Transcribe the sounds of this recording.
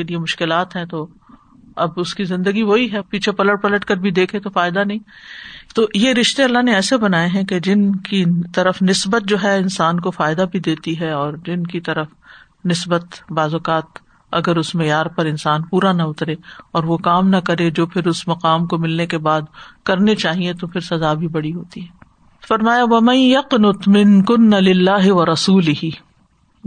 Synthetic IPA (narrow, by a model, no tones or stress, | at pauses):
keliemʊʃkɪlaːt̪ɦɛ̃t̪o | ɐbʊskizɪ̃nd̪əɡiʋoɦiɦɛpiːt͡ʃʰepɐləʈpɐləʈkɐɾbʱid̪eːkʰet̪ofaːɪd̪anɐɦĩːt̪oːjeɾɪʃt̪eɐlːaɦneɛːsebɐnaːeɦɛ̃ked͡ʒɪnkit̪ɐɾəfnɪsbət̪̚d͡ʒoːɦɛɪnsaːnkofaːɪd̪abʱid̪eːt̪iɦɛɔːɾd͡ʒɪnkit̪ɐɾəf | nɪsbət̪baːzokaːt̪ | ɐ̰ɡəɾʊsmɛjaːɾpɐɾɪnsaːnpuːɾanɐʊt̪ɾeɔːɾʋokaːmnɐkɐɾed͡ʒoːpʰɪɾʊsmɐqaːmkomɪlnekebaːd̪kɐɾnet͡ʃaːɦiet̪opʰɪɾsɐzaːbʱibɐɽiɦoːt̪iɦɛː | fɐɾmaːjaʋɐmɐ̃njɐqnʊt̪mɪ̃nkʊnːalɪlːaːɦɪʋɐɾɐsuːlɪhi